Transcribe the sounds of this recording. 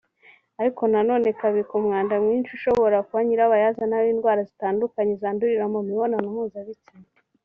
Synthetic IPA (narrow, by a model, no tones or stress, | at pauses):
aɾiko̞nano̞ːne̞kaβikumŋaːndamŋiːnt͡ʃuʃo̞βo̞ɾakuβaɲiɾaβajaːzanaβiːndɡwaːɾazitaːndukaɲezaːnduɾiɾamoniβo̞nanumuːzaβicine